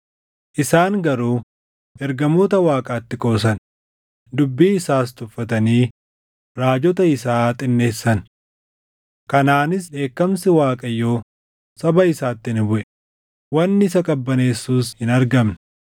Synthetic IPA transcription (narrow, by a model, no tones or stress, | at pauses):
ʔɪsaːŋɡɐɾuː | ʔɛɾɡɐmoːt̪ɐwaːkʼaːt̪ːɪkʼo̞ːsɐn | d̪ʊbːiːɪsaːs̬t̪ʊfːɐt̪ɐniː | ɾaːd͡ʒɔt̪ɐɪsaːt̪ʼɪnːe̞ːsːɐn | kɐnaːnɪsᶑe̞ːkːɐmsɪwaːkʼɐjːo̞ː | sɐbɐɪsaːt̪ːɪɪnbʊʔɛ | wɐnːɪɪsɐkʼɐbːɐneːsːuːshɪnɐɾɡɐmnɐ